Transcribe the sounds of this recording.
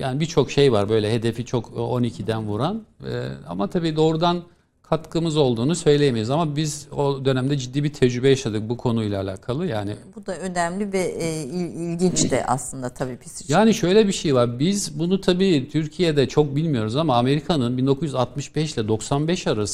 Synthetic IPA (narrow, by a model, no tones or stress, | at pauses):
jaːnibit͡ʃʰo̞kʃejvaɾbø̞jlʲɛɦe̞d̪efit͡ʃʰo̞kʰo̞nicʰid̪ænvuɾan̰a̰mat̪ʰabiːd̪o̞ːɾud̪an | kʰat̪kɯmɯzo̞lˠd̪uːnusø̞jlʲejemiɾizamabizo̞d̪ø̞næmd̪ɛd͡ʒid̪ːiːbit̪ʰɛd͡ʒɾybɛjaʃad̪ɯk̚bukʰo̞nujlˠaːlʲa̰ːkʰalˠɯjaːnibud̪aønæmlʲivɛiilʲɟint͡ʃd̪ɛ̰ʔa̰slˠɯnd̪at̪ʰabiːpʰisjaːniʃø̞jlʲɛbiʃejvaɾbizbunut̪ʰabiːt̪ʰyɾcʰijed̪ɛt͡ʃʰo̞k̚bilʲmijo̞ɾuzamaːme̞ɾikʰanɯnbind̪okuzjyzat̪mɯʃbɛʃlʲɛd̪o̞ksanbɛʃaɾas